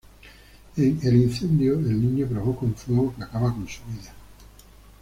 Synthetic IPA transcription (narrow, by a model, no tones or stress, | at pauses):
eŋelin̟θe̞nd̪joelnĩɲopɾoβokoɱfweɣokeakaβakõnsuβiða